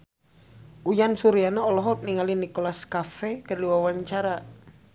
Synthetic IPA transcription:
ujansuɾianɔːlɔɦɔt̪̚niŋalinikɔlaskafɛkərliwawaɲt͡ʃaɾa

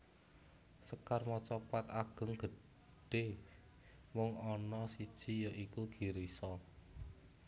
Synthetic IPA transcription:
səkarmɔt͡ʃɔpat̪aɡ̥ə̤ŋɡ̥ə̤ | ɖ̥e | mɔŋɔnɔsid̥ʒ̥i̤jɔʔikuɡ̥i̤ɾisɔ

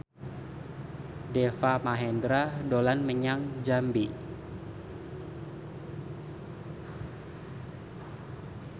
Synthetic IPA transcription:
dɛfamaɦɛndɾadolanməɲaŋd͡ʒambi

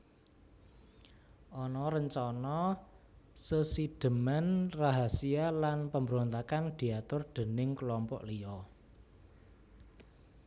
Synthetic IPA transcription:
ʔɔnɔɾəɲt͡ʃɔnɔ | səsid̪̥ə̤manraɦasialanpəmbəɾont̪akand̪̥i̤at̪ʊrd̪̥e̤nɪŋkəlɔmpɔ̰ʔliɔ

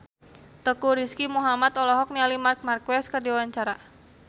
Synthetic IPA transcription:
t̪əkuɾiskimuɦamat̪ɔlɔɦɔk̚nialimark̚markwɛskərdiawaɲt͡ʃaɾa

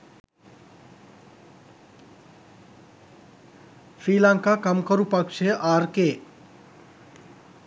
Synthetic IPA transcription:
fʰɾilaŋkakamkʌɾupʌkt͡ʃʰeʔaɾke

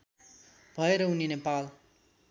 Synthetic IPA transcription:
bʱʌeɾʌuninepal

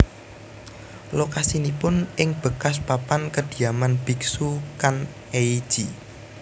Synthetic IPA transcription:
lokasinipʊnʔɪŋb̥ə̤kas̬papankəd̪̥i̤amanb̥i̤ksukan | eid̥ʒ̥i

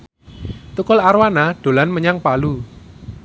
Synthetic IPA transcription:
t̪ukʊlaɾwanaɖ̥o̤lanməɲaŋpalu

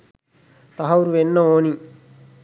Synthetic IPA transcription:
t̪ɐɦɐʋuɾuʋenːɐoːni

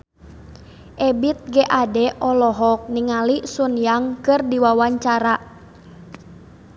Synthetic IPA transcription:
ʔɛbit̪̚ɡɛʔadɛʔɔlɔɦɔk̚niŋalisunjaŋkɨrdiwawaɲt͡ʃaɾa

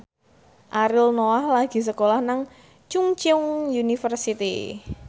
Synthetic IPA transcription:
ʔaɾɪlnoahlaɡ̥i̤s̬əkolahnaŋ | t͡ʃuŋt͡ʃʊŋjunifərsit̪ḭ

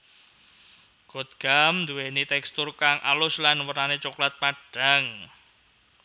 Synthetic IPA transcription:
ɡ̥ot̪̚ɡ̥amnd̪uwenit̪ɛkst̪ʊrkaŋʔa̰lʊslanwəɾanet͡ʃuklat̪̚paɖ̥a̤ŋ

